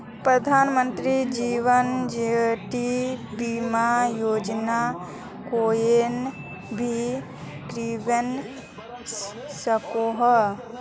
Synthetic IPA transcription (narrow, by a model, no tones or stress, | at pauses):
pɾəd̪ʱaːnmənt̪ɾid͡ʒiʋənd͡ʒeʈibimajoːd͡ʒna | koːjen | bʱi | kɾibən | səkoɦə